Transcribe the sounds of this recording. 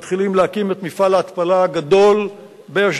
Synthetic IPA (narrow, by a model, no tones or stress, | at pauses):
t̪χilimleakimet̪mifalaːt̪palaɡad̪o̞l | beaʃ